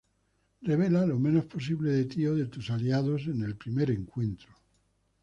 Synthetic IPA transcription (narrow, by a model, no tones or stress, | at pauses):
reβ̞e̞lalomẽ̞no̞spo̞s̬iβle̞ðe̞t̪ioðe̞t̪usaliaðose̞ne̞lpɾime̞ɾeŋkwe̞nt̪ɾo